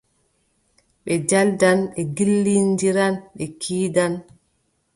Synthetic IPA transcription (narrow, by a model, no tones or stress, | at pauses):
ɓɛd͡ʒaldanɓɛɡilːindiɾanɓɛkʰiːdan